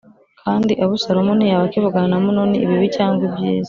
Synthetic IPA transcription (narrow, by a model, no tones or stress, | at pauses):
kʰaːndiʔaβusaɾomunijaβakiβuɡanamunoniʔːβiβicaːŋɡwubjiːze